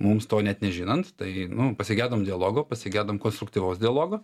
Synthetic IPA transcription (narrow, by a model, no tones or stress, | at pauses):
mʊmst̪oːnʲɛt̪nʲɛʒʲɪnɐnt̪t̪ɐɪnʊpɐsʲɪɡʲæːd̪ɐmdʲɪɐlˠoːɡoːpɐsʲɪɡʲæːd̪ɐmkoːnst̪ɾʊkt̪ʲiːʋɐʊsd̪ʲɪɐlˠoːɡo